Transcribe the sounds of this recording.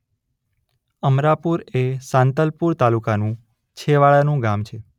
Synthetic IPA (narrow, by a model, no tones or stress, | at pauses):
əmɾapuɾesãnt̪əlpuɾt̪alukanũ | t͡ʃʰeʋaɭanũɡamt͡ʃʰe